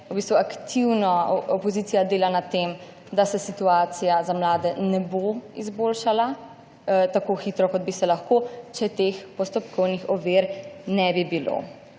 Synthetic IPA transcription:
ubist̪ʋuakt̪ʰiwnɔɔpɔziːt̪sijad̪eːlanat̪ːem | d̪asɛsit̪uaːt̪sijazamlaːd̪ɛnɛboizboːlʃala | t̪akoxiːt̪ɾɔkɔd̪̚bisɛlaxkot͡ʃɛt̪expɔst̪ɔpkʰɔwnixɔʋeːɾnɛbibilo̰

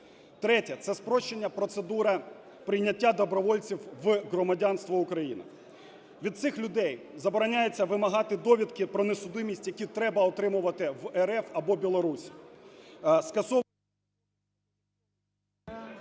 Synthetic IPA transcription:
t̪ɾɛtʲɐt̪sɛspɾɔʃt͡ʃːe̞nʲːɐpɾɔt̪sed̪uɾɐ | pɾɪjnʲɐtʲːad̪ɔbɾɔʋɔlʲt͡sʲiwʋɦɾɔmɐdʲanst̪ʋɐʊkɾɐjḭnɪ̰ | ʋʲid̪̚sɪxlʲʊd̪ɛjzɐbɔɾɐnʲajet͡sʲːɐʋɪmɐɦɑt̪ɪd̪ɔʋʲit̪kɪpɾɔnesʊd̪ɪmʲisʲtʲjɐkʲit̪ɾɛbɐɔt̪ɾɪmʊʋɐt̪ɪʋɛɾɛfɐbɔbʲilˠɔɾusʲ | skɐsɔ

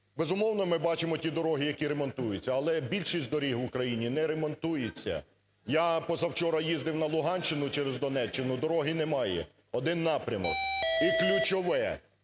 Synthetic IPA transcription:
bezʊmɔwnɔmɪbɑt͡ʃɪmɔtʲid̪ɔɾɔɦɪjɐkʲiɾemɔnt̪ujʊt͡sʲːɐɐlˠɛbʲilʲʃisʲd̪ɔɾʲiɦwʊkɾɐjinʲinɛɾemɔnt̪ujet͡sʲːɐ̰ | japɔzɐwt͡ʃɔɾɐjizd̪ɪwnɐlˠʊɦɑnʲʃt͡ʃt͡ʃɪnʊt͡ʃɛɾezd̪ɔnɛt͡ʃːenʊd̪ɔɾɔɦɪnɛmɑjɛ̰ | ɔd̪ɪnːɑpɾʲɐmɔ̰k̚iklʲʊt͡ʃɔʋɛ

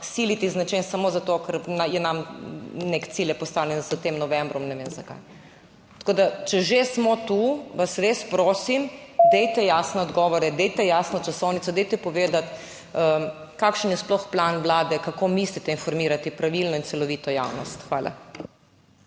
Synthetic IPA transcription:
silit̪iznat͡ʃɛnsamozat̪okɛɾnajɛnamnekt̪siljɛpɔst̪aːwnɛnzət̪emnɔʋɛmbɾɔmnɛʋeːmzaka̰j | t̪koːd̪at͡ʃɛʒesmɔt̪uʋasɾeːspɾoːsimd̪ɛjt̪ɛjasnɛɔd̪ɡɔːʋɔɾɛd̪ɛjt̪ɛjaːsnɔt͡ʃasɔwnit̪sɔd̪ɛjt̪ɛpɔʋeːd̪at̪ | ə | kaːkʃənjɛsplɔxplanʋlaːd̪ɛkakomislit̪ɛinfɔɾmiːɾat̪ipɾaʋilnɔint̪sɛlɔʋit̪ɔja̰wnɔst̪xʋaːlʔa̰

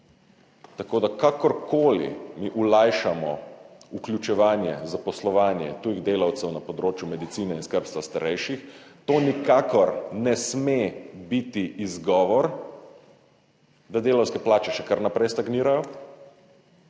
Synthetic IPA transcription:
t̪akoːd̪akakɔɾkoːlḭmiʔulajʃamɔ̰uklʲjut͡ʃɛʋaːnjɛ̰zapɔslɔʋaːnjɛ̰t̪ujiɣd̪eːlawt̪sɛwnapɔd̪ɾoːt͡ʃjumɛd̪it̪siːnɛinskəɾpst̪ʋast̪aɾɛjʃixt̪oːnikakɔɾnɛsmebit̪iʔizɡɔːʋɔɾ | d̪ad̪eːlawskɛplaːt͡ʃɛʃɛkaɾnapɾɛjst̪aɡniːɾajɔ

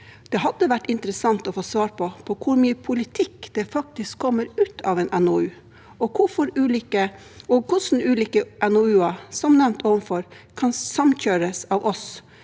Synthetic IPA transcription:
d̪̥ɛɦɑd̪ːəʋæʈːɪnt̪əɾəsɑŋt̪ɔfoːsʋɑːɾpʰɔpʰɔkʰʊɾmyːəpʰʊlɪt̪ʰɪkːd̪̥ɛfɑk̚t̪ɪskʰːɔmːəɾʉːt̪ʰɑʋɛnʔɛnɔʉː | ɔkʰʊfɔɾʉːliːkə | ɔkʰʊʂn̩ʉːliːkəʔɛnɔʉːɑsɔmnɛʋnt̪ʰoːʋənfɔɾ | kʰɑnsɑmçøːɾəsɑːʋʔɔs

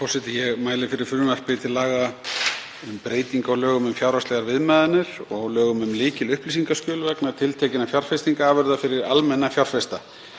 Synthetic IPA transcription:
fɔwsɪt̪ɪjɛɣmaːjlɪfɪɾɪɾ̥fʏɾmvar̥pɪt̪ʰɪlːaːɣa | ʏmpɾeːjt̪iŋkaɔɣlœːɣʏmʏmfjaːwɾast̪ɛɣaɾvɪðmɛːðanːɪɾ̥ɔɣlœːɣʏmʏmlɪːcɪlʏhplis̬iŋkaskcœːlvɛknaðt̪ʰɪlt̪ʰɛːcɪnafjar̥fɛst̪iŋkaaːvœɾðafɪɾɪɾa̰lmɛnːafjawr̥fɛst̪a

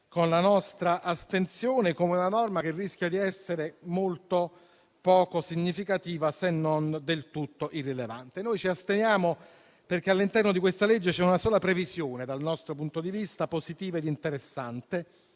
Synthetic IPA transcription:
konlanɔst̪ɾaʔast̪ensjoːnekoːmeunanɔrmak̟erːisk̟jad̪iɛsːeɾemolt̪o | pɔːkosiɲːifikat̪iːvasenːond̪elt̪ut̪ːoʔirːileva̰nt̪enoːjt͡ʃiast̪enjaːmo | perk̟ealːint̪ɛrnod̪ikwest̪aled͡ʒːet͡ʃɛunasoːlapɾevizjoːned̪alnɔst̪ɾopunt̪od̪ivist̪apozit̪iːvaed̪int̪eɾesːant̪e

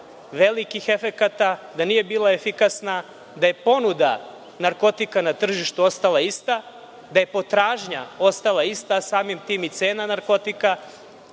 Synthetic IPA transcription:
ʋe̞likixe̞fe̞kat̪ad̪anije̞biːlˠaefikasna | d̪aje̞po̞nud̪a | naɾko̞t̪ikanat̪r̩ʒiʃt̪uo̞st̪alˠaist̪a | d̪aje̞po̞t̪ɾaːʒɲao̞st̪alˠaist̪asaːmimt̪iːmit̪seːnanaɾko̞t̪ika

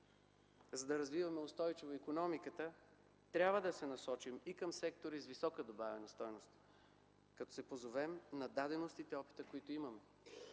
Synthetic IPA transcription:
zɐd̪ɐɾɐzvivɐmɛost̪ɔjt͡ʃivoikonɔmikət̪ə | t̪ɾʲabvəd̪ɐsɛnɐsɔt͡ʃimikəmsɛk̚t̪oɾizvisɔkəd̪obavɛnɐst̪ɔjnost̪ | kɐt̪ɔ̥sɛpozovɛmnɐd̪ad̪ɛnost̪it̪ɛɔpi̥t̪əkoit̪oimɐmɛ

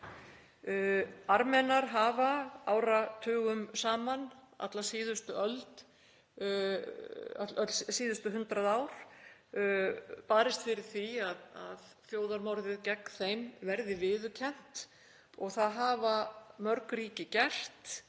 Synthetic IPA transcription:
aɾmɛnaɾ̥ɦaːvaaːwɾat̪ʰœːɣʏmsaːman | a̰t̪lasiːðʏst̪ʏʔœlt̪ | atœt̪lsiːðʏst̪ʏɦʏnt̪ɾaðaːwɾ̥ | paːɾɪst̪fɪɾɪɾ̥θiaða̰ð | θjoːwðaɾmɔwɾðɪðcɛkθejmvɛɾðɪvɪːðʏcʰɛn̥t̪ | ɔɣθaðɦaːvamœɾkɾiːcɪcɛl̥t̪

